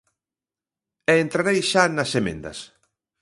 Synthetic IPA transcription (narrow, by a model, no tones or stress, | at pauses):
ɛːnt̪ɾaɾejʃanɐsemḛ̃nd̪ɐ̰s